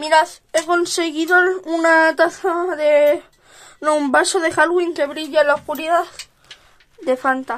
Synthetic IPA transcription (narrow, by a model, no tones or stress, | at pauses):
miɾas | e̞ko̞nse̞ɣiðounat̪aθaðe | noumbasoðe̞xalɣwiŋke̞βɾiʎalaohkuɾiðaθ | d̪e̞fant̪a